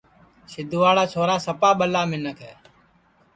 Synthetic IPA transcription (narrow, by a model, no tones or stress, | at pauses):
sɪd̪ʱʊʋaːɽaːt͡ʃʰoːɾaːsəpaːɓəlaːmɪnəkʰɦɛː